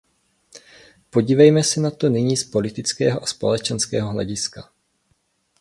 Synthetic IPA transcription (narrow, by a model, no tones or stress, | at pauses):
po̞ɟiːvɛjmɛsɛnat̪o̞nɪɲiːspo̞lɪt̪ɪt͡skɛːɦoʔaspo̞lɛt͡ʃɛnskɛ̰ːɦoɦlɛ̰ɟɪska